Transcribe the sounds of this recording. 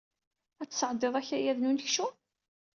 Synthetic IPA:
æt͡sːsəʕd̪ˤeðˤæçæjæðnunəçʃu

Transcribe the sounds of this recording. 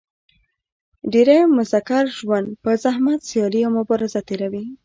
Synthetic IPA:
ɖeɾajmʊzakaɾʒwand̪pəzahmat̪sijɑliawmʊbɑɾɪzat̪eɾawi

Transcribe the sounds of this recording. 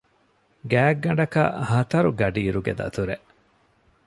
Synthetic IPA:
ɡæːɡːɐɳɖɐkɐ̰hɐt̪ɐɾuɡɐɖiːɾuɡed̪ɐ̰t̪uɾeʔ

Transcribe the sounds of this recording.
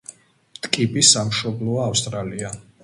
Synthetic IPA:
t̪ʼkʼipʼisamʃɔblɔaːfst̪ʼɾalia

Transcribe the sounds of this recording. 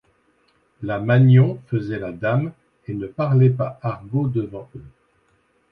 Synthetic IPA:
lamaɲjɔ̃fəzɛlad̪am | enəpaʁlɛpaʔaʁɡod̪əvɑ̃ø

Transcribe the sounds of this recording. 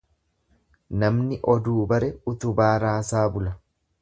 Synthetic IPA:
nɐmnɪʔɔd̪uːbɐɾɛʊt̪ʊbaːɾaːsaːbʊlɐ

